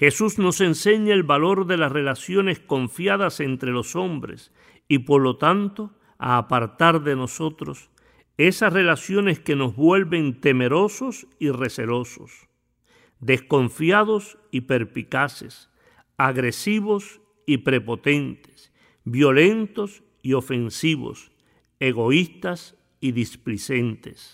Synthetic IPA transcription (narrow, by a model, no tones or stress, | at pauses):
xe̞susno̞se̞nse̞ɲaelβalo̞ɾðe̞lasre̞lasjo̞ne̞sko̞ɱfjaðase̞nt̪ɾe̞lo̞so̞mbɾe̞̰s | ipo̞ɾlo̞t̪ant̪o̞ | a̰ːpaɾt̪aɾðe̞no̞so̞t̪ɾo̞s | e̞sasre̞lasjo̞ne̞ske̞no̞zβwe̞lβe̞nt̪e̞me̞ɾo̞sosire̞seɾo̞so̰s | d̪e̞sko̞ɱfjaðo̞s | ipe̞ɾpikase̞̰s | aɣɾe̞siβo̞s | ipɾe̞po̞t̪e̞nt̪e̥s | bjo̞lẽ̞nt̪o̞s | io̞fe̞nsiβo̞̰s | eɣo̞ist̪as | iðisplise̞nt̪e̞s